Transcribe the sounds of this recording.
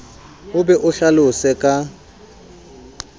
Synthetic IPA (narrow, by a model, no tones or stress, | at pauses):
ʊbɛʔʊɬalʊsɛkʼa